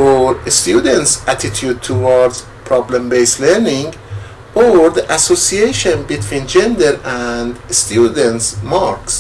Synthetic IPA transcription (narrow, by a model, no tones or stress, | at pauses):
oɾst̪jud̪ẽnt̪sæt̪ʰit̪ʰjud̪̚t̪ʰowɑɾd̪z̥ | pʰɾɑblẽmbejsleɾnĩŋɡ | oɾðiʔæsosiejʃõnbit̪ʰwĩnd͡ʒẽnd̪eɾænd̪st̪jud̪ẽnt̪smɑɾks